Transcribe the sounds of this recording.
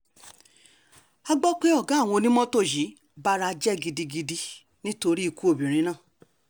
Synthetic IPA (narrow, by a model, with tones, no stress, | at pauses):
a˦ɡ͡bɔ˦k͡pe˦ɔ˦˨ɡã˨˦˨w̃ɔ̃˧nĩ˦mɔ̃˦to˦˨ji˨˦ | ba˦˧ɾa˧d͡ʒɛ˦˨ɡi˧di˧ɡi˧di˧ | nĩ˦to˧ɾi˦i˧ku˦o˦˨bĩ˨ɾ̃ĩ˨˦nãː˦˨